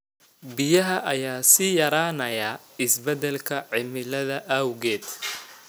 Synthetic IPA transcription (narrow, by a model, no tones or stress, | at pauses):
bɪjɐɦɐʔɐjaːsiːjɐɾaːnɐja | ɪsbɐd̪ɛlkʰɐʕɪmɪlɐðɐʔɐwɣɛːd̪